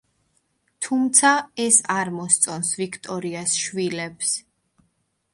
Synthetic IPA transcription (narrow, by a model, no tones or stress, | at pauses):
t̪ʰumt̪sʰaɛsaɾmɔst̪sʼɔnsvikʰt̪ʼɔɾiasʃvilɛps